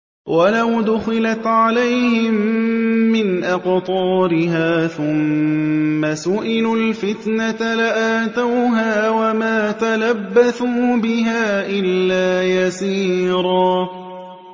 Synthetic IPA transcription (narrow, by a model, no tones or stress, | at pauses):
wʔalawd̪ʊxɪlat̪ʕalajhɪmː | ɪnʔaqt̪ˤɑːɾɪɦaːθʊmː | asʊʔɪlulfɪt̪nat̪alɪʔaːt̪awɦaːwamaːt̪alabːaθuːbɪɦaːʔɪlːaːjasiːɾˤɑː